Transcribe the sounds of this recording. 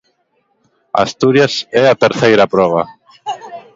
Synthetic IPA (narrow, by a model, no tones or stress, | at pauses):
a̰st̪uɾjasɛat̪eɾθejɾapɾɔβ̞a